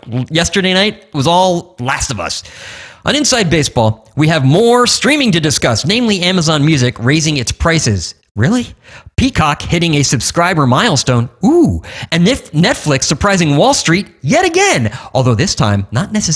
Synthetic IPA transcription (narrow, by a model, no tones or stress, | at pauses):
jɛstə˞ɾeɪñaɪt̚wʌzɔlˠlæstʌvʌ̰sʔə̰̃ñɨ̃nsaɪd̚beɪsb̥ɔlˠ | wiɨvmɔɹstɹ̥ĩmɪ̃ŋtɨdɨskʌsnẽɪ̃mliæməzɑ̃nmjʉzɨkɹeɪzɪ̃ŋɨtspʰɹ̥aɪsɪ̰z̥ | ɹɪlˠipʰikʰɑkhɪɾɪ̃ŋɨsɨb̥skɹaɪbə˞maɪl̩ˠstõʊ̃nuɨ̃nɪfnɛtflɪksə˞pʰɹ̥aɪzɪ̃ŋwɔlˠstɹ̥it̚jɛɾɨɡɛ̃nʔɔlˠðoʊðɪstʰã̰ɪ̃mnətⁿnɛsɨ